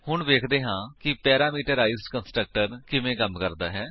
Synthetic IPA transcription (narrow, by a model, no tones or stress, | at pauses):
hʊɳʋeːkʰd̪eːɦãːkɪpɛːɾaːmiːʈəɾaːɪzɖkənsʈɾək̚ʈəɾkɪmẽːkəmkəɾd̪aːɦɛː